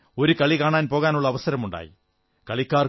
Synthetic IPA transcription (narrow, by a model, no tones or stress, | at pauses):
oɾɯkɐɭikaːɳaːnpoːɣaːnuɭːɐʋɐsɐɾɐmuɳɖa̰ːjḭ | kɐɭikːaːr